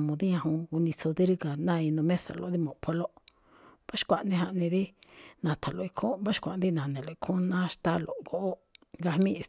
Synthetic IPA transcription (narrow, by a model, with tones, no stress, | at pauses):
mõ˧d̪i˦ɲã˧ɦũ˧u˧nĩ˧so˧ði˦ɾi˦ka˨nã˦˧i˧nõ˧mẽ˦sa̰˨lo̰˨˦ði˦mõ˨pʰo˧lo˦ | ba˦ʃkʷa˧ʔnẽ˧ɦa˧ʔnĩ˧ði˦nã˨t̪ʰa˨lo˨i˧kʰõ˦ba˦ʃkʷa˨nd̪i˦nã˨nẽ˨lo˨i˧kʰõ˦nã˦ʃt̪a˦lo̰˨ɡo˨ʔo˦ɡa˧hmĩ˦˧